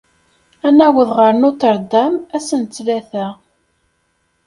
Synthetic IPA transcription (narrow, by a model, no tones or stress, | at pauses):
ænæwəðʁəɾnʊθəɾˤd̪æmæsənt͡sːlæθæ